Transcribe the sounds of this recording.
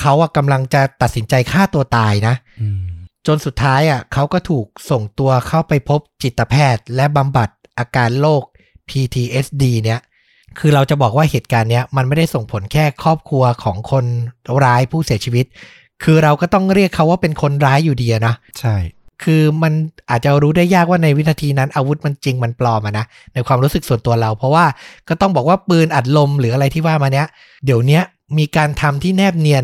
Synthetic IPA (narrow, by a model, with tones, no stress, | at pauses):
kʰa˦˥wʔa˨˩ka˧mla˧ŋt͡ɕa˨˩t̪a˨˩t̪̚si˩˦nt͡ɕa˧jkʰaː˥˩t̪u˧ɐt̪aː˧jna˦˥ʔ | t͡ɕo˧nsu˨˩t̪ʰːaː˦˥jʔa˨˩kʰa˦˥wkɔː˥˩t̪ʰuː˨˩k̚so˨˩ŋt̪u˧ɐkʰa˥˩wpa˧jpʰo˦˥p̚t͡ɕi˨˩t̪ːa˧pʰɛː˥˩t̪̚lɛ˦˥ʔba˧mba˨˩t̪̚ʔaː˧kaː˧nloː˥˩k̚ | pʰiː˧t̪ʰiː˧ʔe˦˥sdiː˧ni˦˥ɐ | kʰɯː˧ɾa˧wt͡ɕa˨˩bɔː˨˩k̚waː˥˩heː˨˩t̪̚kaː˧nːi˦˥ɐma˧nma˥˩jda˥˩jso˨˩ŋpʰo˩˦nkʰɛː˥˩kʰɔː˥˩p̚kʰu˧ɐkʰɔː˩˦ŋkʰo˧nɾaː˦˥jpʰuː˥˩si˨˩˦ət͡ɕʰiː˧wi˦˥t̪̚ | kʰɯː˧ɾa˧wkɔː˥˩t̪ɔ˥˩ŋɾi˥˩əkʰːa˦˥waː˥˩pe˧nkʰo˧nɾaː˦˥jːuː˨˩diː˧a˨˩nɔ˦˥ | t͡ɕʰa˥˩jkʰɯː˧ma˧nʔaː˨˩t̪̚t͡ɕa˨˩ɾuː˦˥daː˥˩jːaː˥˩k̚waː˥˩na˧jw̪̚ʰa˧t̪ʰiː˧na˦˥nʔaː˧wu˦˥t̪̚ma˧nt͡ɕi˧ŋma˧nplɔː˧mʔa˨˩na˦˥ | na˧jkʰwaː˧mɾuː˦˥sɯ˨˩k̚su˨˩ənt̪u˧ɐɾa˧wpʰɾɔ˦˥waː˥˩kɔː˥˩t̪ɔ˥˩ŋbɔː˨˩k̚waː˥˩pɯː˧nʔa˨˩t̪̚lo˧mɾɯː˩˦ʔa˧ɾa˧jt̪ʰiː˥˩waː˥˩maː˧ni˦˥ɐ | di˩˦əwni˦˥ɐ | miː˧kaː˧nt̪ʰa˧mt̪ʰiː˥˩nɛː˥˩p̚ni˧ən